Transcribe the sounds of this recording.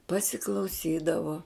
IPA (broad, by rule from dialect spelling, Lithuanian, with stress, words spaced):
pɐsʲɪklˠɐʊˈsʲiːdɐʋoː